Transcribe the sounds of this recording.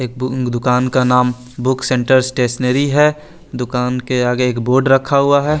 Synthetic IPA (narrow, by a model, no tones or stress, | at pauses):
eːk̚d̪ʊkaːnkanaːm | bʊksẽɳʈəɾsʈeːʃneɾiɦɛ | d̪ʊkaːnkeaːɡeːkboːɾɖɾɐkʰːaɦʊaɦɛː